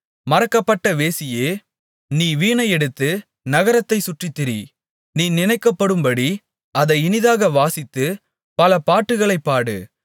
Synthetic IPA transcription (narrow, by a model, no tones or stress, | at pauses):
mɐɾɐkːɐpːɐʈːɐʋeːsɪjeː | niːʋiːɳɐɪɛɽɯt̪ːɯ | nɐɣɐɾɐt̪ːɐɪsʊʈrit̪ːɛɾi | niːnɪnɐɪkːɐpːɐɽɯmbɐɽi | ɐðɐɪɪnɪðaːɣɐʋaːsɪt̪ːɯ | pɐlɐpaːʈːɯɣɐɭɐɪpːaːɽɯ̰